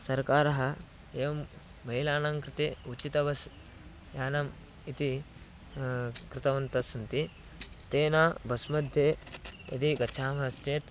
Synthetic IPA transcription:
sɐɾkaːɾɐɦɐ | eːʋɐm | bɐɦilaːnɐmkɾɪt̪eut͡ʃit̪ɐʋɐs | jaːnɐm | it̪i | kɾɪt̪ɐʋɐnt̪ɐsɐnt̪i | t̪eːnaːbɐsmɐd̪ʱjeːɐ̰t̪iɡɐt͡ʃʃʰaːmɐɐst͡ʃeːt̪

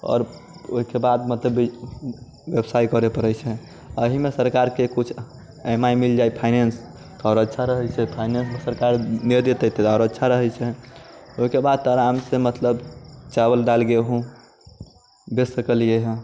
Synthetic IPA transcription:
ɔ̰ːɾ | oɦikebad̪mət̪ləbi | ʋebsajkəɾepəɾəjt͡ʃʰɛ | əɦimesəɾkaɾkekut͡ʃʰ | emaimild͡ʒajpʰajnens | t̪ɔɔɾətːʃʰaɾəɦɛt͡ʃʰɛpʰajnensmesəɾkaɾneɾd̪et̪ət̪eaɔɾətːʃʰaɾəɦɛt͡ʃʰɛoɦikebad̪̚t̪əɾamsemət̪ləbt͡ʃabəld̪alɡeɦũ | besəkəlijeɦɛ̃

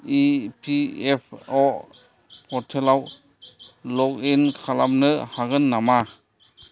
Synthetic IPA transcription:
ipʰiepʰɔ | pɔtʰelaw | lɔk̚inkʰalamnɯhaɡɯnːama

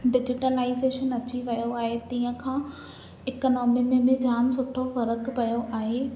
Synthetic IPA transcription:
ɖɪd͡ʑɪʈəlaːɪzeːʃənɐt͡ɕiʋɐjoaːɦet̪iːə̃kʰãː | ɪknɔːmimẽmẽd͡ʑaːmsʊʈʰofɐɾəkpɐjoʔaːɦeː

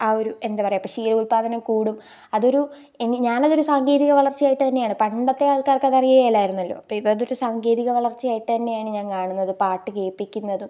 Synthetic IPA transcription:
aːo̞ɾue̞nd̪apɐrɐjɐpːɐʂiːɾɐuɭpaːðɐnɐkuːɽum | ɐðo̞ɾu | eniɲaːnɐðo̞ɾusaːŋɡe̞ːðiɣɐʋɐɭɐrt͡ɕːijaːjiʈːɨt̪ɐnːejaːɳɨpɐɳɖɐt̪ːe̞aːɭkaːrkeɐðɐrijɐɣɐjɐlːaːjiɾunːɐlːo̰ːɐpːoːipːɐɐðo̞ɾusaːŋɡe̞ːðiɣɐʋɐɭɐrt͡ɕːijaːjiʈːɨt̪ɐnːe̞jaːɳɨɲaːnkaːɳunːɐðɨpaːrʈːɨkeːpːikʲːunːɐðɨ

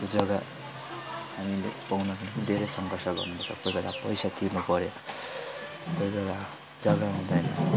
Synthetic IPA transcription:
kod͡zʌɡa | hamilepawnʌkʌnkd̪ʱeɾʌjsʌŋɡʱʌrsʌɡʌ̰rnuʌt̪ʌ̰kojbela̰pʌjsat̪ʰirnupʌɾjo | kojbela | d͡zʌɡaɦũnd̪ʌjnʌ̰

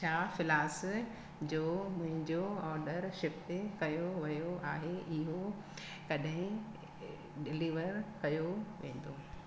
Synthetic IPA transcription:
t͡ɕʰaːfɪlaːs | d͡ʑoːmʊ̃ɦɪ̃ɲd͡ʑoɔːɾɖəɾʃɪft̪kɐjoʋɐjoʔaːɦeɪɦo | kɐɗɦɪ̃ | ɖɪliːʋəɾkɐjoʋḛ̃ːn̆d̪oːɦ

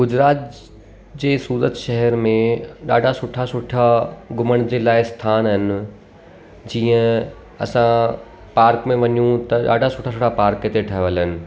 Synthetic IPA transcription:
ɡʊd͡ʑɾaːt̪ | d͡ʑeːsuːɾət̪ʃɛɦɛɾmẽɗaːɖʱasʊʈʰasʊʈʰaɡʊməɽ̃d͡ʑeːlaːɪst̪ʰaːnɦɪnɪ̆ | d͡ʑiːə̃ | ɐ̰sã | paːɾkmẽʋɐɲũt̪ɐɗa̰ːɖʱasʊʈʰasʊʈʰapaːɾket̪eʈʰɐɦʋələnɪ̆

